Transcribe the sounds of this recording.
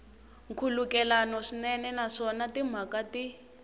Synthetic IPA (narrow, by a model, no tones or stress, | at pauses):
ŋkʰulukɛlanɔʂinɛnɛnaʂɔnatim̤akati